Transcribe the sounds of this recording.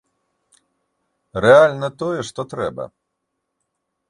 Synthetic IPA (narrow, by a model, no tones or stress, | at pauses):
ɾɛalʲnɐt̪ɔjɛʂt̪ɔt̪ɾɛbɐ̰